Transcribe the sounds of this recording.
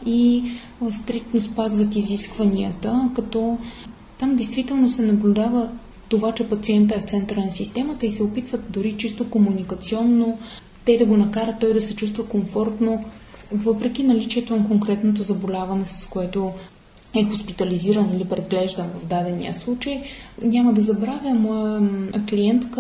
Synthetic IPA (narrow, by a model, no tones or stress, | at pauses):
i | st̪ɾik̚t̪nospazvət̪iziskvɐniət̪əkɐt̪ɔ | t̪amd̪ɛjst̪vit̪ɛlˠnosɛnɐblʲud̪avə | t̪ovat͡ʃɛpɐt̪siɛnt̪̬əɛft̪sɛnt̪ɾənɐsist̪ɛmət̪əisɛopit̪vət̪d̪ʊɾit͡ʃist̪okomunikɐt̪siɔnːo | t̪ɛd̪ɐɡonɐkaɾət̪ːɔjd̪ɐsɛt͡ʃust̪vəkoɱfɔɾt̪novɤpɾɛk̟ʲinɐlit͡ʃiɛt̪onɐkoŋkɾɛt̪not̪ozɐbolʲavɐnɛsɐ̥skoɛt̪o | ɛxospit̪ɐliziɾənilipɾɛɡlɛʒd̪ənvɐvd̪ad̪ɛnḭə̰slˠut͡ʃəjnʲaməd̪ɐzɐbɾavʲjəmɔjəkliɛnt̪k